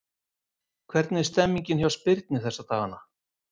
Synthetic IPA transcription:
kʰvɛɾt̪nɪ̥st̪ɛmːiɲcɪnçjawspɪɾt̪nɪθɛsːat̪ʰaːɣanːa

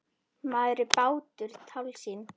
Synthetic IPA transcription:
maðɾɪpaːwt̪ʏɾ̥t̪ʰawlsiːn

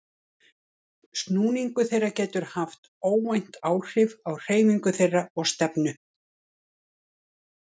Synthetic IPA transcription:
st̪nuːniŋkʏθejrːacɛːt̪ʏɾ̥haft̪ | oːwmajn̥t̪aːwr̥ɪvawr̥eːjmiŋkʏθejrːaɔɣst̪ɛpnʏ

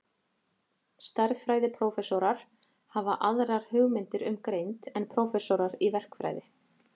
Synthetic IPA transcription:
st̪aɾðfɾaːjðɪpʰɾowfɛsɔɾaɾ̥ | havaʔaðɾaɾ̥hʏːɣmɪnt̪ɪɾʏmkɾejnt̪ɛnpʰɾowfɛsoɾaɾivɛr̥kfɾa̰ːjðɪ

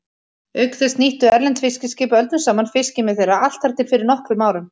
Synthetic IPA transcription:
ʏkθɛst̪niht̪ʏɛɾlɛnt̪fɪscɪscɪːpœlt̪nʏsaːmanfɪscɪmɪðθejɾaal̥t̪aɾ̥t̪ɪlfɪɾɪɾnɔhkvɪmaːwɾʏn

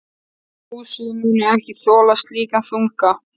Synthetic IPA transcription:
uːsʏðʏmiːnʏɛmcɪθɔːlast̪liːkanθuŋka

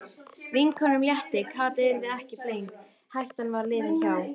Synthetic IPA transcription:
vinkʰɔnʏmljɛht̪ɪkʰaːt̪ɪɪɾðɪɾɛhcɪplejŋk | hajht̪anvaɾlɪːvɪnçaːw

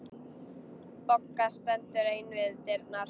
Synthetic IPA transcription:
pɔkːḁst̪ɛnt̪ʏɾejnvɪðt̪ɪɾt̪na

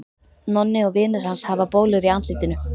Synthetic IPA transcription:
nɔnːɪɔɣvɪːnɪɾ̥hanshavapoːwlʏɾiant̪liːt̪ɪnʏ

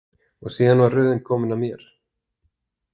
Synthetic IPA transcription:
ɔɣsiːðanvaɾrʏːðɪnkʰɔːmʏnamjɛɾ̥

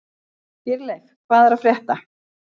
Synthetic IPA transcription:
fɪɾlɛxkʰv̥aːðɛɾafɾjɛht̪a

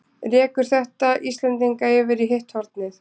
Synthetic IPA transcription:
rɛːkʏɾ̥θɛht̪aʔist̪lɛnt̪iŋkaɛːvɪɾiɦeht̪hɔɾt̪nɪθ

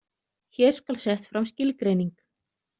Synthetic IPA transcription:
çɛːɾ̥skalsɛht̪fɾawmscɪlkɾeːjniŋk

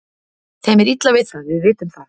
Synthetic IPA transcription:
θɛjmɛɾit̪lavɪðθaðvɪðvɪːt̪ʏmθað

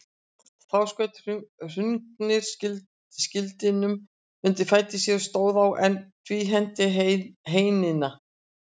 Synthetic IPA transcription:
θawskœɥt̪r̥ʏŋknɪɾ̥ɪ | scɪlt̪ɪnʏm | mʏnt̪ɪfaːjt̪ɪsjɛɾst̪oːwðawʔɛnt̪ʰviːɦɛn̥t̪ɪɦeːjnɪna

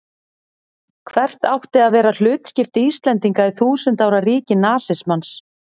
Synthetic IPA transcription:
kʰvɛr̥t̪nawht̪ɪaðvɛːɾal̥ʏːt̪scɪft̪ɪist̪lɛnt̪iŋkaɪθuːsʏnt̪aːwɾariːcɪnaːsɪsmans

